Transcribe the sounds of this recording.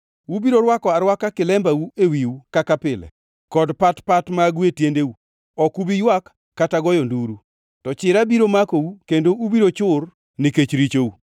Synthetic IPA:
wubiɾoɾwakɔaɾwakakɪlɛmbawuewiwukakapɪlɛ̰ | kɔdpatpatmaɡwetjendeu | ɔkubijwakː | ataɡɔjɔnduɾu | tɔt͡ʃɪɾabiɾomakowukendoubiɾot͡ʃʊr | niket͡ʃɾit͡ʃou

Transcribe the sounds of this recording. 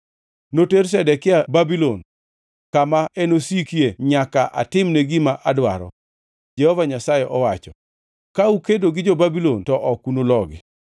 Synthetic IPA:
noters̬ɛdɛkɪababilon | kamaɛnosikieɲakaʔa̰tɪmneɡimaʔadwa̰ɾɔ̰ | d͡ʒɛhɔvaɲasajɛʔɔwat͡ʃɔ | kaukedoɡɪd͡ʒobabilontɔʔɔkunolɔɡɪ̰

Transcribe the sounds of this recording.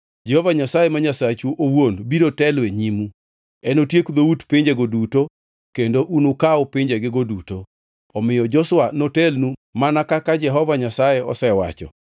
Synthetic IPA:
d͡ʒɛhɔvaɲasajemaɲasat͡ʃuʔowonbiɾotɛlweɲimu | ɛnotjekd̪outpɪɲd͡ʒeɡoduto | kendoʔunukaɔpɪɲd͡ʒeɡɪɡoduto | ɔmɪjɔd͡ʒɔswanotɛlnumanakakad͡ʒɛɦɔvaɲasajeɔ̰sɛwa̰t͡ʃɔ̰

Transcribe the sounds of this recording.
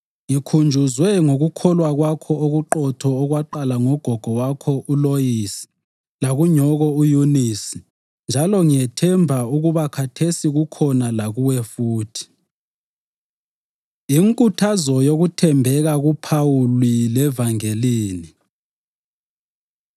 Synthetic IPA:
ikʰund͡ʒʱuzwɛŋoɣukʰɔlwaɣwakʰɔoɣuǃɔtʰɔːɣwaǃalaŋɔɡ̥ʱɔɡ̥ʱɔwakʰɔʔulojisi̥ | laɣuɲɔɣɔujunisi̥ | nd͡ʒʱalɔŋijɛtʰɛmbʱauɣuβakʰatʰesiɣukʰɔnalaɣuwɛfuːtʰi̥ | iŋkʼutʰazɔjoɣutʰɛmbʱɛɣaɣupʰawulilɛvaŋeliːni

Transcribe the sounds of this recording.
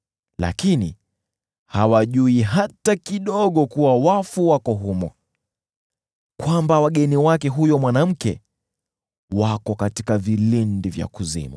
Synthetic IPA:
la̰kini | hawaʄuiɦatakiɗɔɠɔkuwawafuwakɔɦumɔ̰ | kwambawaɠɛniwakɛɦujɔmwanam̩kɛ | wakɔkatikavilindivja̰kuzḭmṵ

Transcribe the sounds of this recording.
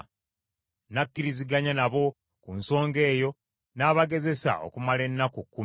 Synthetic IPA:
nakːiɾiziɡaɲanaβo̞ | kunso̞ːŋɡe̞ːjo̞ | naːβaɡe̞ze̞sa̰ʔo̰kumale̞nːakukːu

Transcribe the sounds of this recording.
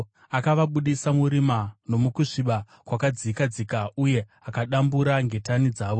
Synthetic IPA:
akaʋaɓuɗisamuɾimano̞mukuʂiɓa | kwakad͡zikad͡zikauje̞akaɗambuɾaŋɡe̞tanid͡zaːʋo

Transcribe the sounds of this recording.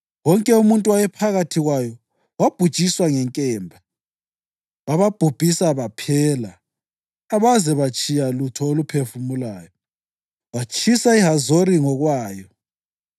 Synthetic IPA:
wɔŋkʼɛumuntʼuwajɛpʰaɣatʰiɣwajɔ | wab̥ʱu̥t͡ʃʼiswaŋɛŋkʼɛːmbʱa | βaβab̥ʱub̥ʱisaβapʰɛːlaː | βazɛβat͡ʃʼijalutʰɔolupʰefumulaːjɔ | wat͡ʃʼisaiɦazoɾiŋɔɣwaːjɔ

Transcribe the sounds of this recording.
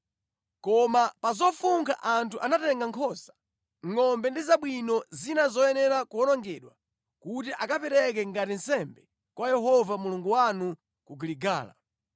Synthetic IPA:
kɔmapazɔfuŋkʰaʔantʰuʔanatɛŋɡaŋkʰɔsḁ | ŋɔmbɛndizaɓwinɔzinazɔjɛnɛɾakuɔnɔŋɡɛɗwa | kutiʔakapɛɾɛk̬ɛŋɡatinsɛmbɛ | kwajɛɦɔvamuluŋɡuwanu | kuɡiliɡa̰ːla̰

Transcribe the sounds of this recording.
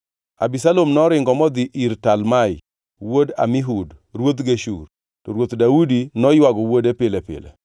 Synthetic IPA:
a̰bisalomnɔɾɪŋɡɔmɔd̪ɪʔiɾtalmaj | woda̰miɦudrwot̪ɡeʃṵr | tɔɾwot̪daudinɔjwaɡɔwodepɪlɛpɪ̰lɛ̰

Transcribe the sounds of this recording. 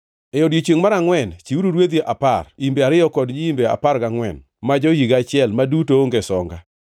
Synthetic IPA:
ɛjodjit͡ʃweŋmaɾaŋwɛnt͡ʃiuɾuɾwed̪iʔaparimbeaɾɪjɔkɔdɲiimbea̰paɾɡaŋwɛ̰n | mad͡ʒojiɡat͡ʃɪɛlmadutoŋɡesɔŋɡa

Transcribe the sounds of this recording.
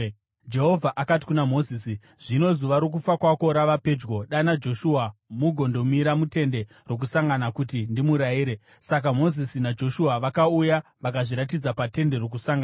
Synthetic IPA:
d͡ʒe̞ɦovʱaʔakati̥kunamo̞ziːsi | ʐ̥ino̞zuʋaɾok̬ufakwako̞ɾaʋape̞d͡ʒɡo̞ɗanad͡ʒo̞ʃuamuɡʱo̞ndo̞miɾamute̞nde̞ | rwo̞k̬usaŋɡanakutindimuɾaiːɾe̞ | sakamo̞zisinad͡ʒo̞ʃuaʋakauja | ʋakaʐiɾatid͡zapate̞nde̞ro̞k̬usaŋɡa

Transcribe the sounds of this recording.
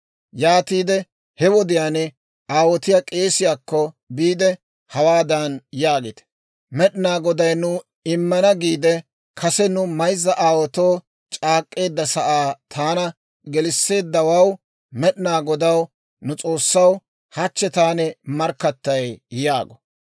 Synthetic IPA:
jaːt̪iːd̪ɛ | hɛwɔd̪ɪjaːnɛ | aːwɔt̪ɪjakʼe̞ːsɪjaːkːɔ | biːd̪ɛ | hɐwaːd̪ɐnjaːɡet̪ɛ̥ | mɛɗɪnaːɡɔd̪ɐjnʊ | ɪmːɐnɐɡiːd̪ɛ | kʰɐsɛnʊmɐjzːɐʔaːwɔt̪oː | t͡ʃʼaːkʼːe̞ːd̪ːɐsɐʔaːt̪ʰaːnɐ | ɡɛlɪsːe̞ːd̪ːɐwɐw | mɛɗɪnaːɡɔd̪ɐw | nʊt͡sʼo̞ːsːɐw | hɐt͡ʃːɛt̪aːnɛmɐɾkːɐt̪ːɐjjaːɡɔ̥

